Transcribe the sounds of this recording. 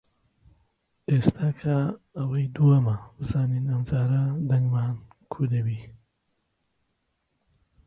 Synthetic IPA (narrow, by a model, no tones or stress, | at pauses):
eːst̪ʰaːkʰɐː | wɐjd̪uɐmɐbɨzaːniːnɐmd͡ʒaːɾɐd̪ɐŋɡmaːnkʰud̪ɐbiː